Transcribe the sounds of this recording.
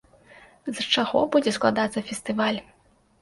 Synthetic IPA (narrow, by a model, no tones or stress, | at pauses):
zt͡ʂaɣɔbud͡zʲɛsklˠad̪at̪sːɐfʲɛst̪ɨvalʲ